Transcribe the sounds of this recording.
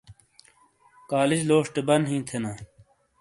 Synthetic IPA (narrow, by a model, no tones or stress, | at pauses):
kaːlid͡ʑloːʂʈebɐnɦĩːt̪ʰenaː